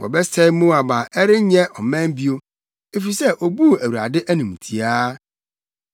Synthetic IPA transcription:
wɔ̰˨bɛ˦sɛ˦mũ˦a˨ba˨ʔɛ˦ɾɪ˦ɲɛ̃˦ʔɔ˨mɛ̃˦m˦bi˦o˦ | e˦fi˨sɛ˦ʔo˨bu˦˨æ˨wu˨ɾa̰˨dɪ˦ʔæ˦nũ˨m˨tʰi˨aː˦

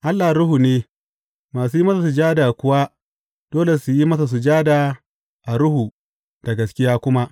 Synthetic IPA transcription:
ʔa˦lːa˨hɾʊ˦hu˨neː˦ | maː˨suː˦jmɐ˦sa˨s̬u˨d͡ʒaː˦daː˨kʷʊ˦wa˦ | d̥oː˦le˨su˨ji˦mɐ˦sa˨s̬u˨d͡ʒaː˦daː˨ | ʔa˨ɾʊ˦hu˨ | d̥ɐ˨ɡɐ˨skʲɪ˦jaː˦kʷʊ˦ma˦ʔ

